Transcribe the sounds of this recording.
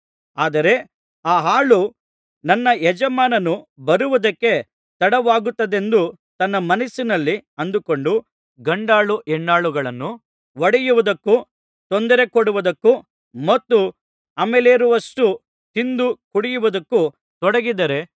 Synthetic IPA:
aːd̪ɐɾe̞ | aːɦaːɭu | nɐnːɐjɛd͡ʒɐmaːnɐnubɐɾuʋud̪ɐkːe̞ | t̪ɐɽɐʋaːɡut̪ːɐd̪e̞nd̪u | t̪ɐnːɐmɐnɐsinɐlːiɐnd̪uko̞ɳɖu | ɡɐɳɖaːɭuʔɛɳːaːɭuɡɐɭɐnːu | ʋɐɽɛjuʋud̪ɐkːu | t̪ond̪ɐɾe̞koɽuʋud̪ɐkːu | mɐt̪ːu | ɐmeleːɾuʋɐʂʈu | t̪ind̪ukuɽijuʋud̪ɐkːu | t̪ɔɽɐɡid̪ɐɾe̞

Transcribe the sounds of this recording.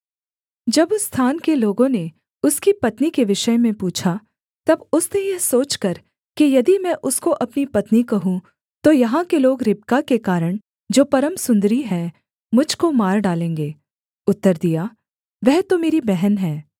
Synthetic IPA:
d͡ʒɐbst̪ʰaːnkeloːɡõne | ʊskipɐt̪nikeʋɪʃəmẽpuːt͡ʃʰa | t̪ɐbʊsnejɐɦsoːt͡ʃkɐɾ | kijɐd̪imɛ̃ʔʊskoʔɐpnipɐt̪nikɐɦũ | t̪ojɐɦãkeloːɡɾɪp̚kakekaːɾəɽ̃ | d͡ʒoːpɐɾəmsʊ̃nd̪ɾiɦɛ̃ | mʊd͡ʒʱkomaːɾɖaːlẽːŋɡeː | ʊt̪ːəɾd̪ijaː | ʋɛɦt̪omeːɾibɛɦɛnɦɛ̃ː

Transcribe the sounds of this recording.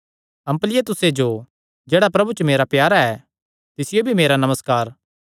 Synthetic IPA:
ɐ̃mplɪet̪ʊsed͡ʒo | d͡ʒeːɽapɾɐbut͡ʃəmeːɾapjaːɾaɛ | t̪ɪsɪjobʱimeːɾanɐməskaːɾ

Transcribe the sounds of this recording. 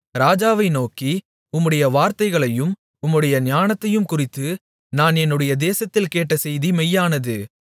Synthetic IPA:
ɾaːd͡ʒaːʋɐɪnoːki | ʊmːɯɽɐjɐʋaːɾt̪ɐɪɣɐɭɐjɯm | ʊmːɯɽɐjɐɲɪjaːnɐt̪ːɐjɯmkʊrɪt̪ːɯ | naːnɛnːɯɽɐjɐd̪eːsɐt̪ːɪlkeːʈːɐsɛjðimɛjːaːnɐðɯ

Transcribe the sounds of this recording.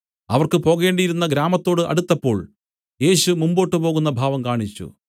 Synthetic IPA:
ɐʋɐrkɨpo̞ːɣe̞ːɳɖijiɾunːɐɡɾaːmɐt̪ːo̞ːɽɨʔɐ̰ɽut̪ːɐpːo̞ːɭ | je̞ːɕumumbo̞ːʈːɨpo̞ːɣunːɐbʱaːʋɐmkaːɳit͡ɕːṵ

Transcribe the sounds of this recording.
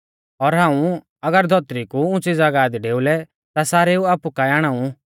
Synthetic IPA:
ɔɾɦãːũ | ɐɡəɾd̪ʱɔt̪ɾikuʊ̃t͡sid͡zaɡaːd̪ɖeːulɛ | t̪asaːɾeuaːpukaaːɽ̃ãːũ

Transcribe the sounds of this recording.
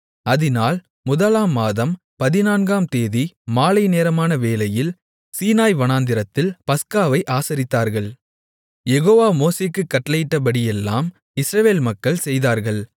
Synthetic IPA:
ɐðɪnaːl | mʊðɐlaːmːaːðɐm | pɐðɪnaːnɡaːmt̪eːðimaːlɐɪneːɾɐmaːnɐʋeːlɐjɪl | siːnaːjʋɐnaːnd̪ɪɾɐt̪ːɪlpɐskaːʋɐɪʔaːsɐɾɪt̪ːaːɾɣɐɭ | jɛɣoːʋaːmoːseːkːɯkːɐʈːlɐjɪʈːɐp̬ɐɽɪjɛlːaːm | ɪsɾɐʋeːlmɐkːɐɭsɛjðaːɾɣɐɭ

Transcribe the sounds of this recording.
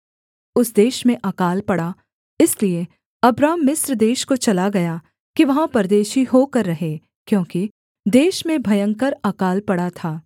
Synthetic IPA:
ʊsd̪eːʃmẽʔaːkaːlpɐɽa | ɪslie | ɐbɾaːmːɪsɾd̪eːʃkot͡ʃɐlaɡɐja | kiʋɐɦãpɐɾd̪eːʃiɦoːkɐɾːɐɦeː | kjõːki | d̪eːʃmẽbʱɐjə̃ŋkəɾakaːlpɐɽat̪ʰaː

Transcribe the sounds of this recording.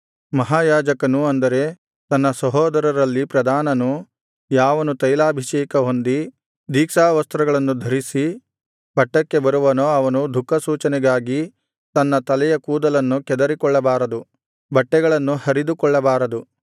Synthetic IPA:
mɐɦaːjaːd͡ʒɐkɐnuɐnd̪ɐɾe̞ | t̪ɐnːɐsɐɦɔːd̪ɐɾɐɾɐlːipɾɐd̪ʱaːnɐnu | jaːʋɐnut̪ɐjlaːbʱiʃɛːkɐɦo̞nd̪i | d̪ʱiːkʃaːʋɐst̪ɾɐɡɐɭɐnːud̪ʱɐɾisi | b̥ʱɐʈːɐkːe̞bɐɾuʋɐnoːɐʋɐnud̪ʱukːɐsuːt͡ʃɐnɛɡaːɡi | t̪ɐnːɐt̪ɐlɛjɐkuːd̪ɐlɐnːukɛd̪ɐɾikɔɭːɐbaːɾɐd̪u | bʱɐʈːɛɡɐɭɐnːuhɐɾid̪ukɔɭːɐbaːɾɐd̪u

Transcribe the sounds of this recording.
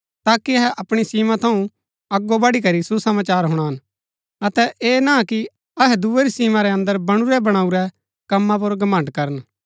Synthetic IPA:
t̪aːkiɐɦɛʔɐpɽ̃isiːmãt̪ʰɐũ | ɐɡːobɐɽikɐɾisusɐmaːt͡ʃaːɾɦʊɽ̃aɦɐn | ɐt̪ɛʔeːnaki | ɐɦɛd̪uːeɾisiːmãɾɛɐ̃nd̪əɾbɐɽ̃uɾɛbɐɽ̃aːuɾɛ | kɐmːãp̬ʊɾɡɐmə̃ɳɖkɐɾən

